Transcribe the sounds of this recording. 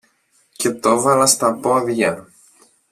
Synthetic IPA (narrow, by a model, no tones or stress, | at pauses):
ce̞t̪ovɐlɐst̪ɐpoɐvʝɐ